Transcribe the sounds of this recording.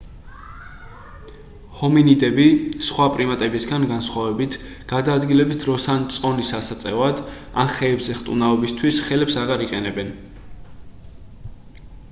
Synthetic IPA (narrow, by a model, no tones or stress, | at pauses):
hɔminid̪ɛbisχwapʼɾimat̪ʼɛbisɡanɡansχwavɛbit̪ʰ | ɡ̥ad̪aːd̪ɡilɛbit̪ʰɾɔsant̪sʼɔnisasat̪sʼɛ̰vad̪ | a̰mχɛːbzɛχt̪ʼunaɔbist̪ʰwisχɛlɛpsaʁaɾiqʼɛnɛbɛn